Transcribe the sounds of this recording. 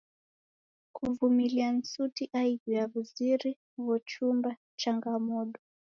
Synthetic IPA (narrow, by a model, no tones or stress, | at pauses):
kuvumilian̩sutiʔaiɡiaβuziɾi | βɔt͡ʃumba | t͡ʃaŋɡamɔɗɔ